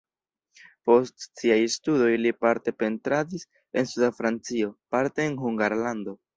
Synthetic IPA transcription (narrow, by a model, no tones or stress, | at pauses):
po̞stsiajstudo̞jlipaɾte̞pe̞ntɾadis | e̞nsudafɾant͡sio̞paɾte̞ːnhuŋɡaɾlando̞